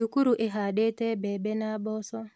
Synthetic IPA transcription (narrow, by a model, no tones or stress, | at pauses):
ukuɾuʔeɦaɗetɛbɛbɛnabɔsɔ